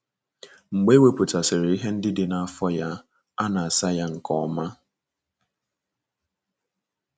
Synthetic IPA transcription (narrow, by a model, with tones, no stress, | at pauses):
ŋ͡m̩˨ɡ͡be˦we˦pʊ˨ta˨sɪ˨ɾɪ˨i˦ɦe˦n̩˦dɪ˦dɪ˨na˨a˨fɔ˦ja˦ | a˦na˨a˨sa˦ja˦ŋ̩˨kɔ˦ma˦